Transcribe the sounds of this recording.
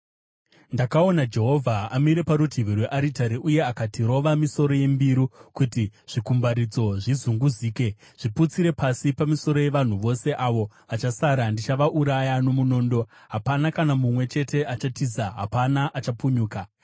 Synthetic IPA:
ndakao̞nad͡ʒe̞ɦo̞vʱaamiɾe̞paɾutiʋirweʔaɾitaɾiʔuje̞akatiɾo̞ʋamiso̞ɾo̞je̞mbiɾukutiʐ̥ikumbaɾid͡zo̞ʐizuŋɡuziːke̞ | ʐ̥iput͡siɾe̞pasipamiso̞ɾo̞je̞ʋan̤uʋo̞se̞ʔaʋo̞ | at͡ʃasaɾandit͡ʃaʋaʔuɾajano̞muno̞ndo̞ | ɦapanakanamumwe̞t͡ʃe̞te̞ʔat͡ʃatizaɦa̰panaʔat͡ʃapuɲuːka

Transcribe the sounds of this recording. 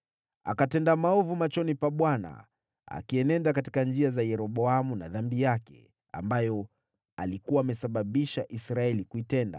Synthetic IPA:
a̰katɛndamaɔvumat͡ʃɔnipaɓwana̰ | a̰kiɛnɛndakati̥kand͡ʒiazajɛɾɔɓɔamunaðambijakɛ̰ | a̰mbajɔ | a̰likuwaːmɛsaɓaɓiʃaʔisɾaɛlikuitɛnda̰

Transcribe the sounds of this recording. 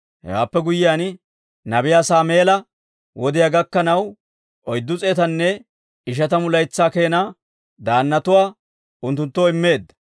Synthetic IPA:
hɛ̰wa̰ːpːɛɡʊjɪjaːn | nɐbɪjaːsaːme̞ːlɐ | wɔd̪ɪjaɡɐkːɐnɐw | ɔjd̪ːʊt͡sʼeɛt̪ɐnːɛ | ɪʃ̬ɐt̪ɐmʊlɐjt͡sːaːke̞ːnaː | d̪aːnːɐt̪ʊwaː | ʊnt̪ːʊnt̪ːoːɪmːe̞ːd̪ːɐ̥

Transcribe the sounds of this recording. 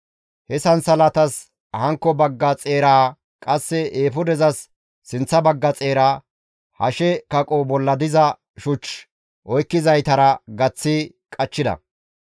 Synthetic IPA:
hɛsɐnsɐlɐt̪ɐs | hɐŋkːɔbɐɡːɐt͡sʼe̞ːɾaː | kʼɐsːɛeːfʊd̪ɛzɐsː | ɪnt͡sːɐbɐɡːɐt͡sʼe̞ːɾaː | hɐ̰ʃɛkɐkʼɔbɔlːɐd̪ɪzɐ | ʃʊt͡ʃ | ʔɔjkːɪzɐjt̪ɐɾɐɡɐt͡sːɪ | kʼɐt͡ʃːɪd̪ɐ̰

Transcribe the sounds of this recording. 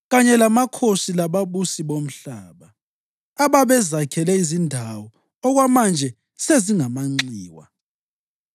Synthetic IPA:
ɣaɲɛlamakʰosilaβaβusiβom̩ɬaːβaː | βaβɛzakʰɛlɛizindʱawɔ | ɔɣwamand͡ʒʱɛ | seziŋamaŋ͡ǀiːwa̰

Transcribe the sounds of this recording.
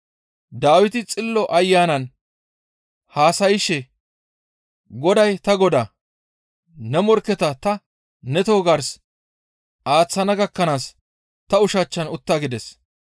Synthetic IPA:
d̪aːwɪt̪ɪt͡sʼɪlːɔʔɐjːaːnɐn | haːsɐjɪʃɛ | ɡɔd̪ɐjt̪ɐɡɔd̪ɐ | nɛmɔɾkɛt̪ɐt̪ɐ | nɛt̪o̞ːɡɐɾs | ʔaːt͡sːɐnɐɡɐkːɐnaːs | t̪ɐʊʃɐt͡ʃːɐnʊt̪ːaːɡɪd̪ɛs

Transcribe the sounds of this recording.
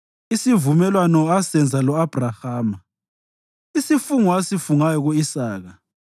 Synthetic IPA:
isivumɛlwanɔasɛnd͡zʱalɔab̥ʱrahaːma | isifuŋɔasifuŋajɔɣuisaːɣa

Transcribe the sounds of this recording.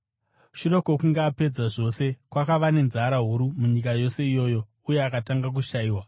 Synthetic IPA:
ʃuɾo̞ko̞kuŋɡaːpe̞d͡zaʐo̞se̞kwakaʋane̞nzaɾaɦuɾumuɲikajo̞se̞ijo̞jo̞ | uje̞akataŋɡak̬uʃaiːwa

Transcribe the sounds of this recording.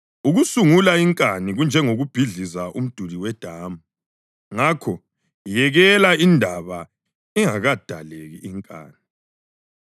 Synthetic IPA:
uɣusuŋulaiŋkʼaniɣund͡ʒʱɛŋoɣub̥ʱiɮizaum̩d̥ʱuliwɛd̥ʱaːmu | ŋakʰɔ | jɛɣɛlaindʱaβa | iŋaɣad̥ʱaleɣiiŋkʼa̰ːni

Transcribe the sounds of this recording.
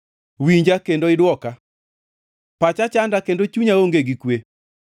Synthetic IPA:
wiɲd͡ʒakendoɪdwɔka | pat͡ʃat͡ʃandakendot͡ʃuɲaoŋɡeɡikwe

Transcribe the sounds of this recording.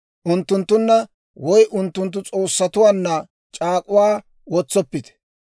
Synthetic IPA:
ʔʊnt̪ːʊnt̪ːʊnːɐ | wɔjʔʊnt̪ːʊnt̪̬ːʊt͡sʼoːsːɐt̪ʊwaːnːɐ | t͡ʃʼaːkʼʊwaː | wɔt͡sːɔpːɪt̪ɛ̥

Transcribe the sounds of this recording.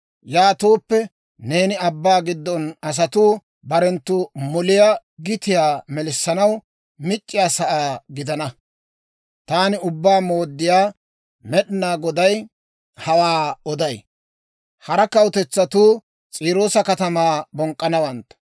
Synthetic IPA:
jaːt̪oːpːɛ | ne̞ːnɪɐbːaːɡɪd̪ːɔnɐs̬ɐt̪uː | bɐɾɛnt̪ːʊmɔlɪja | ɡɪt̪ɪjaːmɛlɪsːɐnɐw | mɪt͡ʃʼːɪjaːsɐʔaːɡɪd̪ɐnɐ | t̪aːnɪʊbːaːmo̞ːd̪ːɪjaː | mɛɗɪnaːɡɔd̪ɐj | hɐwaːɔd̪ɐj | hɐɾɐkɐwʊt̪ɛt͡sːɐt̪uː | t͡sʼiːɾo̞ːsɐkɐt̪ɐmaːbɔŋkʼːɐnɐwɐnt̪ːɐ̥

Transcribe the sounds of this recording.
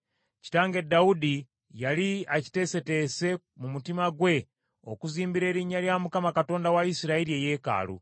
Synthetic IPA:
ci̥taːŋɡe̞daudi | jaliaci̥te̞se̞te̞se̞ | mumutimaɡwe̞ | o̰kuziːmbiɾe̞ːɾiɲaɾjamukamakato̞ːndawaisiɾaeɾieje̞ːka̰ːlṵ

